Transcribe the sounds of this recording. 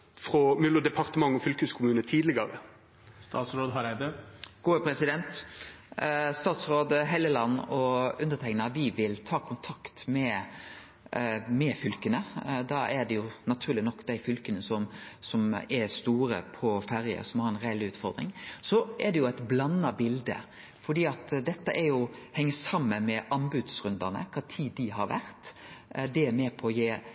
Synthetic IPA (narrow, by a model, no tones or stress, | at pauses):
fʁɔmʏlːʊd̪ɛpʰɑʁt̪əmɑŋːɔfʏlkʉskʰʊmʉːnət̪ʰiːd̪lɪɡɑɾə | st̪ɑ̰ːt̪sɾoːd̪ɦɑɾæd̪əɡ̥uːəpʰɾɛsɪd̪ɛnt̪ | st̪ɑːt̪sɾoːd̪əɦɛljəlɑnːɔʉnd̪ət̪ʰɛŋnɑʋɪʋɪlt̪ʰɑːkʰʊnt̪ʰɑkt̪mɛ | mɛfʏlkənəd̪ɑɛd̪ɛjʊnɑt̪ʰʉːɾlɪnɔkːd̪æɪfʏlkənəsɔmsɔmɛɾst̪uːɾə̰pʰɔfæɾjə̰sɔmhɑɾɛnɾælːɪʉːt̪fɔɾd̪ɾɪ̰ŋsɔʔɛd̪ɛjʊæɪt̪blɑnːɑbɪld̪ə̰ | fɔɖ̪iːɑt̪d̪ɛt̪ːəʔæɾjʊhɛŋːəsɑmːənmɛʔɑnbʉd̪sɾʉnd̪ɑnə̰kʰɑːt̪ʰiːd̪ɪɦɑɾʋæ̰ɾt̪d̪ɛæɾmɛːpʰɔːjeː